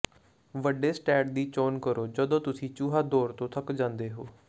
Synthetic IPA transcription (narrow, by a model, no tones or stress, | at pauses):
ʋəɖeːsʈɛːʈd̪iːt͡ʃoːnkəɾoːd͡ʒəd̪õːt̪ʊsĩːt͡ʃuːɦaːd̪oːɾt̪õːt̪ʰəkd͡ʒãːnd̪eːɦoː